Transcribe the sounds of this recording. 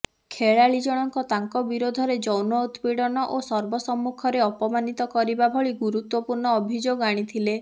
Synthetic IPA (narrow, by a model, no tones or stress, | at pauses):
kʰeɭaɭid͡ʒɔɽ̃ɔŋkɔt̪aŋkɔbiɾod̪ʱɔɾed͡ʒɔwnɔut̪piɽɔnɔʔosɔɾbɔsɔmːukʰɔɾeɔpɔmanit̪ɔkɔɾibabʱɔɭiɡuɾut̪wɔpuɾɳɔːbʱid͡ʒoɡaɽ̃it̪ʰile